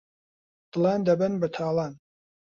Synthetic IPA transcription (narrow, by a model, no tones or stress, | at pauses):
d̪̥ɨlɑːnd̪ɐbɨnbɐt̪ʰaːlˠɑːn